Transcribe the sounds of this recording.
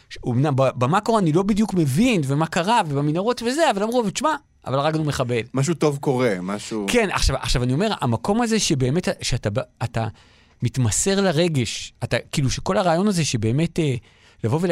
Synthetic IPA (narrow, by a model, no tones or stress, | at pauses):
umnambabamako̞ʁeanilo̞bidjukme̞vinve̞makaʁavebaminaʁo̞tveze̞avalamʁuavt͡ʃma | a̰valʁaɡanume̞χabe̞lmaʃ̬uto̞vko̞ʁemaʃuke̞na̰χʃava̰χʃavanio̞me̞ʁa̰mako̞maze̞ʃebe̞ːme̞taʃeatabaːta | mitmase̞ʁlaʁe̞ɡe̞ʃatakiluʃe̞ko̞laʁaːjo̞nazeʃe̞beːme̞te | lavo̞ve